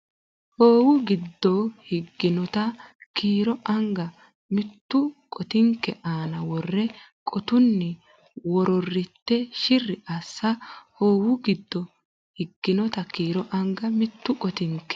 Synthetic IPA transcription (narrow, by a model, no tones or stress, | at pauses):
hoːwʊɡɪd̪ːɔhɪɡːɪnɔt̪ɐkʰiːɾɔʔɐŋɡɐ | mɪt̪ːʊkʼɔt̪ɪŋkːɛʔaːnɐwɔrːɛ | kʼɔt̪ʊnːɪ | wɔɾɔrːɪt̪ːɛʃɪrːɪʔɐsːɐhoːwʊɡɪd̪ːɔ | hɪɡːɪnɔt̪ɐkiːɾɔʔɐŋɡɐmɪt̪ːʊkʼɔt̪ɪŋkːɛ̥